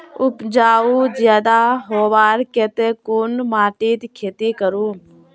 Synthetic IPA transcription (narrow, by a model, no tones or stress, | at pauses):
ʊpd͡ʒaːud͡ʒjaːd̪aɦoːʋaːɾkeːt̪ekoːnmaːʈiːt̪kʰeːt̪ikəɾũː